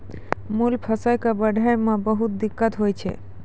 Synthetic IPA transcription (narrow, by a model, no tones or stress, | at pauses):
mulpʰɔsajkabəɖʱaemabɔɦut̪d̪ikːat̪ɦojt͡ɕʰḛ